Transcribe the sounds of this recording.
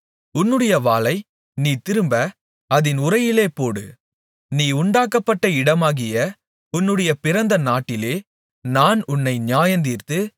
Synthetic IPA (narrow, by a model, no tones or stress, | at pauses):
ʊnːɯɽɐjɐʋaːlɐɪ | niːt̪ɪɾɯmbɐ | ɐðɪnʊɾɐjɪleːpoːɽɯ̰ | niːʊɳɖaːkːɐpːɐʈːɐɪɽɐmaːɣɪjɐ | ʊnːɯɽɐjɐpɪɾɐnd̪ɐnaːʈːɪleː | naːnʊnːɐɪɲɪjaːjɐnd̪ɪrt̪ɯ